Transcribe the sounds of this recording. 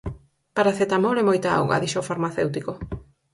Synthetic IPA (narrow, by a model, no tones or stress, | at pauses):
paɾaθet̪amoɾemojt̪ao̰ɣa̰ðiʃofaɾmaθewt̪iko